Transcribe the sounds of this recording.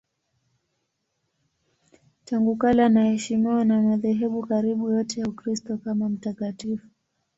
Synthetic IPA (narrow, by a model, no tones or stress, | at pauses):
taŋɡukalanahɛʃimiwanamaðɛɦɛɓukaɾiɓujɔtɛjaukɾistɔkamam̩takatifu̥